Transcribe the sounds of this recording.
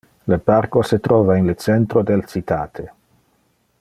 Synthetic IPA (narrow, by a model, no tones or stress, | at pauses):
leparkoset̪ɾɔːvainlet͡sɛnt̪ɾod̪elt͡sit̪ʰaːt̪ʰe